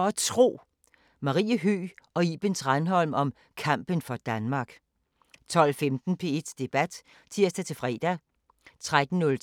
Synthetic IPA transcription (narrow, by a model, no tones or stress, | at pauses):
æt͡sʰʁo̝̰ː | mɑ̈ʁḭːəɦy̰ːɒ̽ib̥ensʁɑnɦɒ̽l̰mɒ̽m | kʰɑ̈m̰b̥ənfɒ̽d̥ænmɑ̈ːɡ̥ | t͡sʰɒ̽l̰femd̥n̩pʰe̝e̝d̥sd̥e̝b̥æd̥ | t͡sʰiɐ̰sd̥æt͡sʰe̝fʁɛ̰ːd̥æ | t͡sʰʁad̥n̩ːɔ̽l